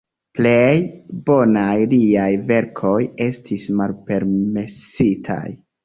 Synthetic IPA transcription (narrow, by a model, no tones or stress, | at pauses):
ple̞jbo̞najliajve̞ɾkʰo̞je̞stʰismalpe̞ɾme̞sitʰa̰j